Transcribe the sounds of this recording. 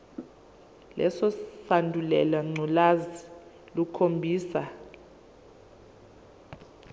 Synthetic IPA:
lɛsɔsandʱulɛlaŋ͡ǀʱɔlazi | lukʰombʱiːsa

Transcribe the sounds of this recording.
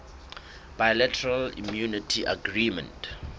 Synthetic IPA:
b̥ajlɛtʰɛɹalḭmjunitʰiʔa̰ɡɹimɛ̰̃nt

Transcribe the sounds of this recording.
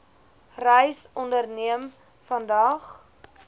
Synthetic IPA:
rəjsɔndərniəm | fɐndɐχ

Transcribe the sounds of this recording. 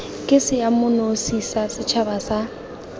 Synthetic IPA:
kʼɪsɪjamʊnosisasɪt͡ʃʰabasa

